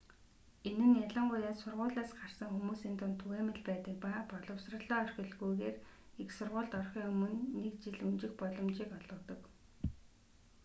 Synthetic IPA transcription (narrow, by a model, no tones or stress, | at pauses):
enɘ̆nːjaɮə̆ɴɢʊjaːsʊrʁʊːɮaːsɢar̥sə̆ŋxumuːsint̪ʊnt̪ʰuɣeːmɘ̆ɮpæːt̪ə̆k̚papɔɮɞ̆wsrə̆ɮœːœrʲxʲɪ̆ɮɣujɣeːr | iksʊrʁʊːɮt̪ɔrχʲiːŋɵmɵ̆nːekt͡ɕiɮunt͡ɕɪ̆xpɔɮɞ̆mt͡ɕiːkɔɮɞ̆t̪ɞ̆k